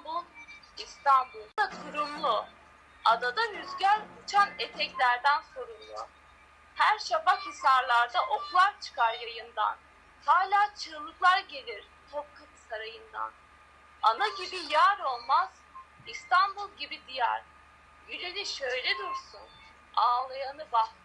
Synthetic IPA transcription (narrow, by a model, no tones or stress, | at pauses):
bulˠ | ist̪ʰanbulˠakʰuɾumlˠʊ | ad̪ad̪anyzɟælʲbut͡ʃʰanet̪ʰɛclʲæɾd̪ænsoɾumlˠʊ̰ | hæɾʃabakɯsaɾlˠaɾd̪aʔo̞kʰulˠaɾt͡ʃʰɯ̥kʰaɾjajɯnd̪a̰n | haːlʲaːt͡ʃʰɯːlˠɯklˠaɾɟe̞lʲiɾ̥ | t̪ʰop̚kʰat̪ɯsaɾajɯnd̪a̰n | anaɟibijaːɾo̞lˠmaz̥ | ist̪ʰanbulˠɟibid̪ijæ̰ɾ̥ | yɾe̞niʃø̞jlʲed̪uɾsun | aːlˠajanɯbah̪